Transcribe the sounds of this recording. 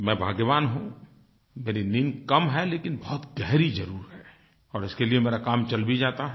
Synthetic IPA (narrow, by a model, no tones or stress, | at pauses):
mɛ̃bʱaːɡʋaːnɦũ | meːɾiniːnkɐmɦɛleːkɪnbɔɦʊt̪ɡɛɦɾizɐɾuːɾɦɛː | ɔːɾɪskeliemeːɾakaːmt͡ʃɐlbid͡ʒaːt̪aɦɛ